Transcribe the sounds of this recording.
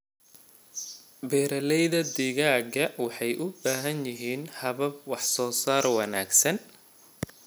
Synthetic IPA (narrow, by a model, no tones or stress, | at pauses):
bɛːɾɐlɛjðɐd̪ɪɣaːɡɐwɑħɑjʔʊbaːɦɐnjɪɦiːnhɐβɐb̚wɑħsɔːsaːrwɑnaːɡsɐn